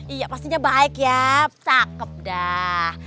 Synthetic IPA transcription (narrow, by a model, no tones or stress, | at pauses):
ijapast̪iɲabaɪkjasakəp̚dah